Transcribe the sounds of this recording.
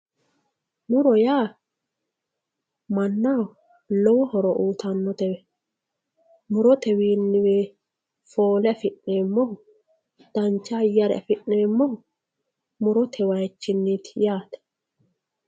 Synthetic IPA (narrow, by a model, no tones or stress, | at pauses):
mʊɾɔjaː | mɐnːa | lɔwɔhɔɾɔʔuːt̪ɐnːɔt̪ɛwɛ | mʊɾɔt̪ɛwiːnːɪweː | foːlɛɐfɪʔːeːmːɔhʊ | d̪̥ɐnt͡ʃːaːjɐɾɛ̰ɐ̰fɪʔːeːmːɔhʊ | mʊɾɔt̪ʰɛwɐjt͡ʃːɪnːit̪jaːt̪ɛ̥